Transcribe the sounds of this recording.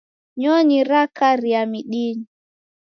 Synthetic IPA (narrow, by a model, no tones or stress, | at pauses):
ɲɔɲiɾakaɾiamiɗiɲi